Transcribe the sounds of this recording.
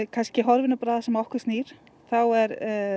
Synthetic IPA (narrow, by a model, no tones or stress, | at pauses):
kʰanscɪɦɔɾvɪnapɾaːðasɛmɔhkʏɾ̥st̪niːɾ̥ | θawɛɾ